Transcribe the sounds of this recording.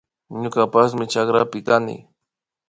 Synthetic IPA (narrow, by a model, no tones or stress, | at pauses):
ɲʊkapas̬mɪt͡ʃakɾa̰pɪkanɪ̰